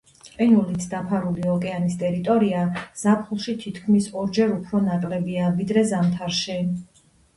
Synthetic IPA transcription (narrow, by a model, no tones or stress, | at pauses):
qʼɛnulit̪sʰd̪apʰaɾuliɔkʼɛanist̪ʼɛɾit̪ʼɔɾiaz̥apʰχulˠʃit̪ʰit̪ʰkʰmisɔɾd͡ʒɛɾupʰɾɔnakʼlɛbiavid̪ɾɛzamt̪ʰaɾʃɛ